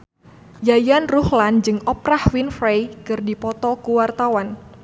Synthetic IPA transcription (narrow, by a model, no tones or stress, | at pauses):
jajanruhland͡ʒɨŋɔpɾahwinfɾejkɨrdipɔt̪ɔkuwart̪awan